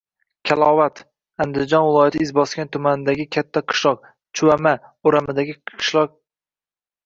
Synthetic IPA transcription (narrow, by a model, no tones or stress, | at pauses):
kʲʰalˠɒvat̪ | and̪ɪzd͡ʒɒnvɪlˠɒjat̪ʰɪɪzbɒskʲant̪ʰʊmanɪd̪aɡʲɪkʲʰat̪ʰːaqʰɨ̥ʃlˠɒq̚ | t͡ʃʰʊwamaʊɾamɪd̪aɡʲɪɨ̥ʃlˠɒq̚